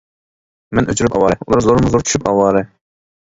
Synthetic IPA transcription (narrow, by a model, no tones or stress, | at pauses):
mɛnʔøt͡ʃʰyɾypɑ̰wɑɾɨulˠɑɾzoɾmzoɾt͡ʃʰy̥ʃypɑ̰wɑːɾɨ